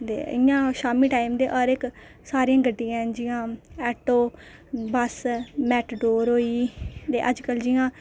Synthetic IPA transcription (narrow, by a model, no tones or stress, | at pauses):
t̪ḛːɪjãːʃaːmiːʈaːimd̪eːʔɔːɾɪk | saːɾiãːɡəɖːɪjãːd͡ʒɪjãːɛːʈoː | bəsmɛːʈɖoːɾɦoːiːt̪eːʔəd͡ʒkəld͡ʒɪjãː